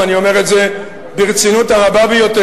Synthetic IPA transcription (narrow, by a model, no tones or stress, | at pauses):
anio̞me̞ʁetze̞ | biʁt͡sinutaʁababejo̞t̪e